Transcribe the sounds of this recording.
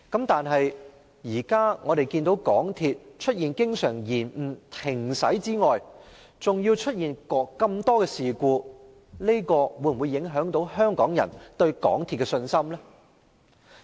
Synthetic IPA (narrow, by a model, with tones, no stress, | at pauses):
kɐ˨˥mt̪aː˨nɦɐ˨j | jiː˨˩kaː˥ŋɔː˨˧ɾe˨˩jkiː˧nt̪o˨˥wkɔː˨˥ŋt̪ʰiː˧t̚t͡ʃʰt̚jiː˨nkɪ˥ŋsœː˨˩ŋjiː˨˩nm̩˨˩t̪ʰɪ˨˩ŋsɐ̰˨˥jt͡siː˥ŋɔː˨j | t͡sʊ˨ŋjiː˧wt͡ʃʰɵ˥t̚jiː˨nkɔː˨˧kːɐ˧mt̪ɔː˥kɛː˧siː˨˩kuː˧ | le˥jkɔː˧wu˨˧jwu˨˧jːɪ˨˥ŋɦœː˨˥ŋt̪o˨˥whœː˥ŋkɔː˨˥ŋjɐ̰˨˩nt̪ɵ˧ɥkɔ̰ː˨˥ŋt̪ʰiː˧t̚kɛ˧sɵ˧nsɐ˥mlɛː˥